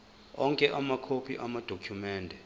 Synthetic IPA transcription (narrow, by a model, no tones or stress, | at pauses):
ɔŋkʼɛʔamakʰopʰiʔamad̥ʱokʰjumɛːndʱɛ